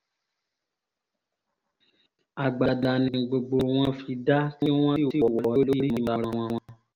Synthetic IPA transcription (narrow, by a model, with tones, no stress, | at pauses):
a˨ɡ͡ba˨da˨nĩ˧ɡ͡bo˧ɡ͡bo˧w̃ɔ̃˧fi˧da˦ti˦w̃ɔ̃˦ti˦ɔ˨wɔ˨˦˨lo˦ɾi˦˧mɔ˦˨mã˨˧ɾã˧w̃ɔ̃˧w̃ɔ̃˧